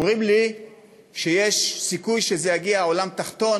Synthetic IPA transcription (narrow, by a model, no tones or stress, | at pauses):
mʁimli | ʃejeʃsikujʃezejaɡiaolamt̪aχt̪o̞n